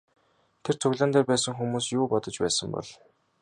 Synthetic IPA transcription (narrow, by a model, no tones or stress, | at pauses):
t̪ʰer̥t͡sʰɵɣɮăːnt̪æːpæːsə̆ŋxumuːsjuːpɔt̪ɞ̆t͡ɕpæ̰ːsə̆mpɔ̰ɮ